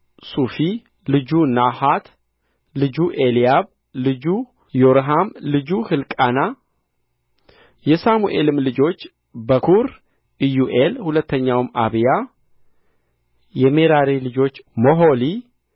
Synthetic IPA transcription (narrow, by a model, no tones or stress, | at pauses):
sufi | lɨd͡ʒunahat̪ | lɨd͡ʒuʔelijaβ | lɨd͡ʒu | joɾɦamlɨd͡ʒuhɨlkʼana | jɛsamuʔe̞lɨmlɨd͡ʒo̞t͡ʃː | bəkʰuɾ | ɨjuʔelhulət̪ʰːəɲːawma̰βija | jɛme̞ɾaɾilɨd͡ʒo̞t͡ʃːmoɦoli